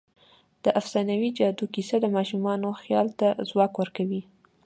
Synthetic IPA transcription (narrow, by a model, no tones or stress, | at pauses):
d̪̥əʔafsɑnawid͡ʒɑd̪ukisad̪əmɑʃumɑnoxjɑlt̪azwɑkwəɾkawi